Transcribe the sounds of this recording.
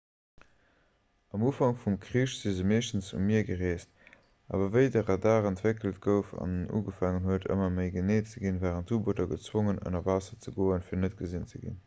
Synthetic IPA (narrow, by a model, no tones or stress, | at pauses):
ɑmuːfɑŋfumkʰʁiːʃz̥izəmeːʃtən̩t͡ssṵmiɐɡəʁeːst | ʔa̰ːvɐvəɪdəʁɑdaːʁəntvekəlt̚ɡəʊfɑ̰nṵːɡəfaŋənɦuətʰə̰mɐməɪɡəneːtt͡səɡinvaːʁəntːuːbotɐɡət͡swoŋənə̰nɐvaːsɐt͡səɡoːənfiːɐnət̚ɡ̥əzint͡səɡḭn